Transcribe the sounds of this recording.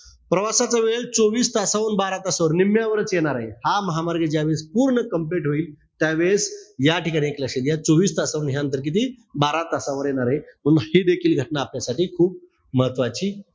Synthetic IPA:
pɾəʋasat͡saʋelt͡soʋiːst̪asaʋənbaɾat̪əsaʋəɾnimjaʋəɾət͡sjeɽ̃aɾaɦehaməɦamaɾɡʱəd͡ʑaʋespuːɾɳəkəmp̬leʈɦoiːl | t̪jaʋesjaʈikaɽ̃ieklaɕet̪jat͡soʋiːst̪asaʋənɦjanənt̪əɾk̬it̪̬iː | baɾat̪əsaʋəɾjeɽ̃aɾaɦem̤əɡhid̪ekʰiːlɡʱəʈnaːpnjasaʈiːkʰuːp̚ | məɦət̪ʋat͡ɕiː

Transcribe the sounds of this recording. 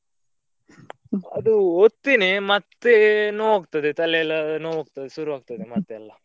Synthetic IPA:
ɐd̪uot̪ːinemɐt̪ːenoːʋoːɡ̚t̪ɐd̪et̪ɐlɛɐlːɐnoʋoːɡ̚t̪ɐd̪esuɾuʋaːɡ̚t̪ɐd̪emɐt̪ːeɐlːɐ

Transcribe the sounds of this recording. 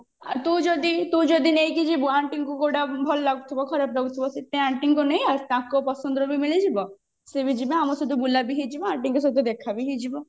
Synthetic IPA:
a̰ɾt̪ũd͡ʒod̪it̪ũd͡ʒod̪inejkid͡ʒibuaɳʈiŋkukoʈabʱɔllaɡut̪ʰibɔkʰɔɾapɾaɡut̪ʰibɔset̪ẽaɳʈiŋkonejaɾt̪ãkopɔsɔnd̪ɔɾobimilid͡ʒibɔ | sebid͡ʒibeamɔsud̪ubulabiɦid͡ʒibɔaɳʈiŋkos̬ud̪ud̪ekʰabiɦid͡ʒibɔ

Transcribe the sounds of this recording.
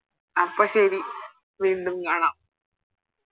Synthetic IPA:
ɐpːɐɕɐɾi | ʋiːɳɖumkaːɳaːm

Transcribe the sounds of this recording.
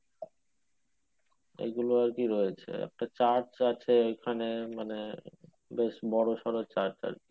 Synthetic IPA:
ḛɡuloaɾkiɾɔet͡ɕʰḛɛ̰k̚ʈat͡ɕaɾt͡ɕat͡ɕʰeojkʰanemane | beʃbɔɽoʃɔɾot͡ɕaɾt͡ɕa̰ɾki

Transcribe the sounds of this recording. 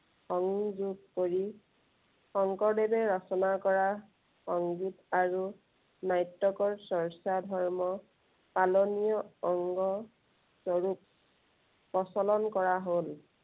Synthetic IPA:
xɔŋzuɡkoɹi | xɔŋkɔdebɛɹɔsɔnakɔɹa | xɔŋɡitaɹu | najtːɔkɔɹsɔɹsadʱɔɹmɔ | palonijɔɔŋɡɔ | sɔɹup̚ | pɔsɔlɔnkɔɹaɦol

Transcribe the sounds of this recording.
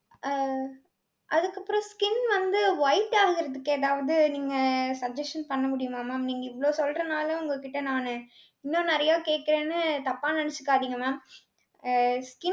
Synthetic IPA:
ʔɐðɯkːɐpːɯɾõskɪnʋɐnd̪ɯʋɐɪʈːaːɣɪɾɐðɯkːɯɐðaːʋɐðɯniːŋɡɐsɐd͡ʒɛsʈɐnpɐɳːɐmʊɽɪjɯmaːmːaːmniːŋɡɐɪʋɭoːsɔlrɐnaːlɐ̃ʊŋɡɐkːɪʈːɐnaːnɯ | ɪnːõnɐɾɐjaːkeːʈ̚kɪɾẽːnːɯt̪ɐpːaːnɐnɛt͡ʃːɯ̥kːaːðiːŋɡɐmaː | skɪ

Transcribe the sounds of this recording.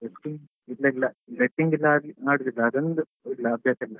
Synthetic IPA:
eʈiŋɡ | ilːɐilːɐleʈːiŋɡilːɐɾinaːɽud̪ilːɐɐd̪ond̪u | ilːɐɐbʱjaːsilːɐ

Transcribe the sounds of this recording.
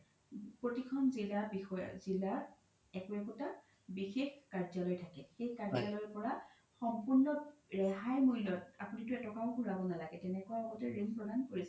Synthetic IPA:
pɹotikʰɔnzilabixɔj̰zilaɹ | ɛkuɛkɔta | bixexkaɹzalɔjtʰakɛxejkaɹzalɔjpɔɹa | xɔmpuɹnɔɹɛɦajmujlɔt̚a̰punitʊɛtɔkaʊɡʱuɹabɔnalaɡɛtɛnɛkɔwjaɔɡɔtɛɹeŋpɹɔdʱankoɹisɛ

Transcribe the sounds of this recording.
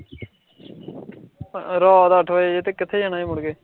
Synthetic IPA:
ɾɔːd̪aːəʈʰʋaeːt̪eːkɪt̪ʰːeːd͡ʒanaːemʊɽɡeː

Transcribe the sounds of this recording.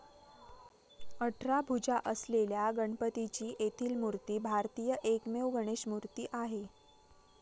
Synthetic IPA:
əʈʰɾabʱud͡ʑaʔəsleljaɡəɳpət̪it͡ɕiːʔet̪ʰiːlmuɾt̪iːbʱaɾt̪ijəʔekmewɡəɽ̃eɕmuɾt̪iːʔaɦe

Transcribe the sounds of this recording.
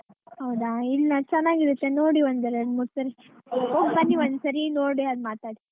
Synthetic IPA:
ɦɐwd̪ailːnat͡ʃɛnːaːɡiɾut̪ːenoːɽiʋɐnd̪ɐɾɐd̪musɐɾi | ɦoːɡbɐnːiʋɐnd̪sɐɾinoːɽiɐd̪maːt̪aːɽi

